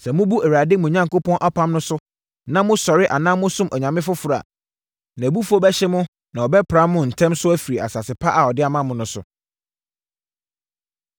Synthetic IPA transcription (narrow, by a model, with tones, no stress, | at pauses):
sɛ˨mʊ̃˦bu˦ɛ˨ɾa˨dɪ˦mʊ̃˨ɲã˦ŋko˦pʰɔ̃˦nʔa˦pʰã˦mnʊ̃˦sʊ˦ | nã˦mʊ̃˦sɔ˨ɾɪ˦ʔa˨nãː˦mʊ̃˦sʊ̃˦mʔɔ˨ɲã˨mɪ̃˦fʊ˦fʊ˨ɾa̰˨ | nã˨bu˦fɔ˦bɛ˦ɕɛ˦mʊ̃˦ | nã˨ɔ˨bɛ˦pʰɾa˦mʊ̃˦n̩˨tʰɛ̃˦msʊ˦æ˦fi˨ɾi˨a̰˨sa˨sɪ˨pʰa˦ʔa˨ɔ˨dɪ˦a˨mã˦mʊ̃˦nʊ̃˦sʊ̰˦